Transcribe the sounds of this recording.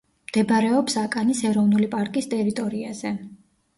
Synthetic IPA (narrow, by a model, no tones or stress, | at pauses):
md̪̥ɛbɾɛɔpsakʼanisɛɾɔvnulipʼaɾkʼist̪ʼɛɾit̪ʼɔɾiaz̥ɛ